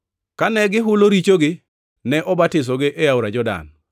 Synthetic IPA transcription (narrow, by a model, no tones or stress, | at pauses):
kanɛɡɪɦʊloɾit͡ʃoɡɪ | nɛʔɔbatɪs̬ɔɡɪʔejawɾad͡ʒɔda̰n